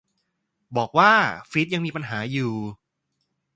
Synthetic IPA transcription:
bɔː˨˩k̚waː˥˩fi˦˥t̪̚ja˧ŋmiː˧pa˧nɦaː˩˦juː˨˩

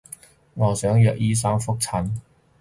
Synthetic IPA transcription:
ŋɔː˨˩sœː˨˥ŋjœː˨k̚jiː˥s̬aː˥ŋfʊ˥k̚t͡sʰɐ˨˥n

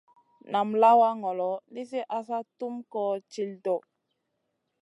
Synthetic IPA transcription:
na˨mla˦wa˦ŋɔ˨lɔ˨li˦s̬e˦ʔa˦sa˦tu˦mkɔ˦t͡ʃi˦ldɔ˨

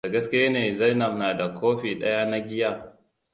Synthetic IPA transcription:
a˨ɡɐ˦skʲɪ˦ja˦neː˨za˦jnɐ˨ɸnaː˨da˨kʷʰoː˦ɸiː˨ɗɐ˦ja˦na˦ɡʲɪ˦ja˦˨

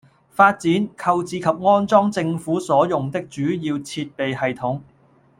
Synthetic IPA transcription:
faː˧t̚t͡siː˨˥nkʰɐ˧wt͡siː˨˧kʰɐ˨p̚ŋɔː˥nt͡sɔː˥ŋt͡sɪ˧ŋfuː˨˥sɔː˨˥jʊ˨ŋt̪ɪ˥k̚t͡ʃyː˨˥jiː˧wt͡sʰiː˧t̚pe˨jhɐ˨jt̪ʰʊ˨˥ŋ

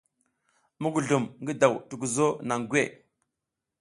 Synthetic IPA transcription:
mu˦ɡu˨ɮu˨mŋɡi˦da˨wtu˨ɡu˨zo˦na˨ŋɡwe˦˨

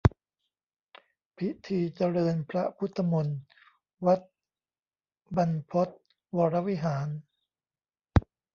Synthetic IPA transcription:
pʰi˦˥t̪ʰiː˧t͡ɕa˧ɾɤː˧npʰɾa˦˥pʰu˦˥t̪ʰːa˧mo˧n | wa˦˥t̪̚ | ba˧npʰo˦˥t̪̚ | wɔː˧ɾa˦˥wi˦˥ɦaː˩˦n

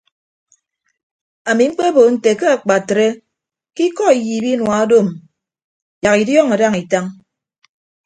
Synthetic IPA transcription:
a˨mi˨ŋ͡m̩˦k͡pe˦bo˨n̩˨te˨ke˦a˨k͡pa˨tɾe˦ | ki˦kɔ˦i˨jiː˨bi˦nwa˨a˦do˦˨m˨ | ja˨ki˨djɔ˦˨ŋa˨da˦ŋi˨ta˦ŋ

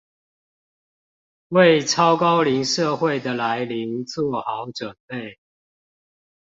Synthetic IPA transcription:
we˥˨ɪʈ͡ʂʰɑ˦ʊkɑ˦ʊli˨˦ŋʂə˥˨xwe˥˨ɪd̪ə˩la˨˦ɪli˨˦ŋt͡swɔ˥˨xɑ˨˦ʊʈ͡ʂwə˨˩npe˥˨ɪ

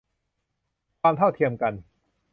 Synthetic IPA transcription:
kʰaː˧mt̪ʰa˥˩wt̪ʰi˧əmka˧n

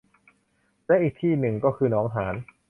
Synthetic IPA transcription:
lɛ˦˥ʔiː˨˩k̚t̪ʰiː˥˩nɯ˨˩ŋkɔː˥˩kʰɯː˧nɔː˦˥ŋɦaː˩˦n

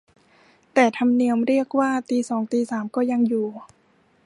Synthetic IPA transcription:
t̪ɛː˨˩t̪ʰa˧mni˧əmɾi˥˩ək̚waː˥˩t̪iː˧sɔː˩˦ŋt̪iː˧saː˩˦mkɔː˥˩ja˧ŋjuː˨˩

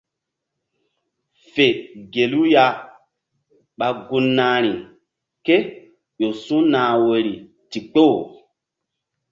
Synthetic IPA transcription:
fe˨ɡe˨lu˦ja˦ | ɓa˨ɡu˦nːaː˨˦ɾ̃i˨ | ke˦ | ɗo˨su˦naː˨we˨ɾi˨ | ti˨k͡po˦˨

